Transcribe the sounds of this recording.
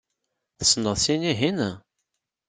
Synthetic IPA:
θə̥snəðˤsiniɦinæ

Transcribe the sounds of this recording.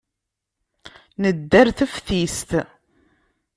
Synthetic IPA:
nəd̪ːæɾθəfθist̪

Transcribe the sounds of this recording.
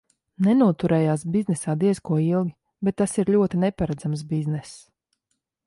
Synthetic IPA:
nɛnuɔt̪uɾɛːjaːsbiznɛsaːd̪iɛzkuɔilˠɡʲi | bɛt̪ːasiɾlʲuɔt̪inɛpaɾad̪zams̬biznɛs

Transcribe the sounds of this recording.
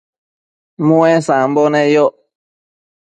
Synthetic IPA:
mũɛ̃sãm̩bɔnɛjɔ

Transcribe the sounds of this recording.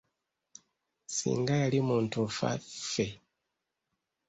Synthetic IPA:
sḭːŋɡajalimuːntufa̰fe

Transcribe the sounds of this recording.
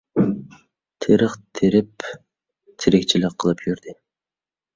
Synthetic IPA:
t̪ʰiɾɨqt̪ʰiɾɪp̚ | t̪ʰiɾek̚t͡ʃʰilɪqʰːəlˠɯpjyɾd̪ɪ

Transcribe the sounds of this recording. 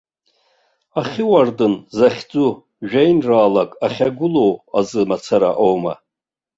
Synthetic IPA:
aχʲiwardɨnzaχʲd͡zʼu | ʒᶣajnraːlakʼaχʲaɡʷʊlo̞wazɨmat͡sʰaɾa̰ʔowma̰

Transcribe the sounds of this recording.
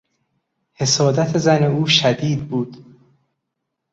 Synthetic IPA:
he̞sɒːd̪æt̪ʰezæne̞uːʃæd̪iːd̪̚buːd̪̥

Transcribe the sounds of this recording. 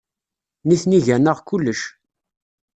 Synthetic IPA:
niθniʝænəʁkulːəʃ

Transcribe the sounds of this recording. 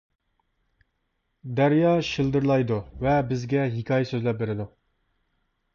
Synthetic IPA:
d̪æɾjɑʃilˠd̪ɨɾlˠɑjd̪uvɛbɪzɡʲɛɦikʰʲɑːjɛsøzlɛp̚beɾɪd̪u

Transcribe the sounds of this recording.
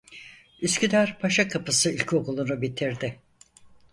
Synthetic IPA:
yscʲʰyd̪æɾpʰaʃakʰapɯsɯilʲcʰo̞kulˠunubit̪ʰiɾd̪ɪ

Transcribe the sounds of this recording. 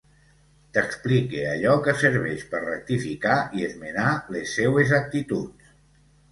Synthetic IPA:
t̪əksplikea̰ʎɔkəsəɾβ̞ɛʃpəɾrək̚t̪ifikaiezmenalesːɛwezak̚t̪it̪ut͡ss

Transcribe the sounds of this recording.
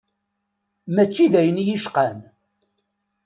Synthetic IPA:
mæt͡ʃːiðæjənjiʃqæn

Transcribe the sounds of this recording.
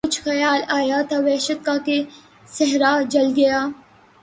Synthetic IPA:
ʊt͡ʃʰxɐjaːlaːjat̪ʰaʋɛːʃət̪̚kake | sɛɦɾad͡ʒɐlɡɐjaː

